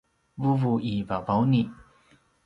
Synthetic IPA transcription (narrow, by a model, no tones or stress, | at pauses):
vuvuʔivavawni